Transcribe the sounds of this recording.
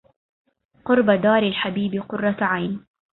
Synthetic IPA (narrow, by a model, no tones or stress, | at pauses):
qʊɾˤbad̪aːɾɪlħabiːbqʊrˤːɑʕajn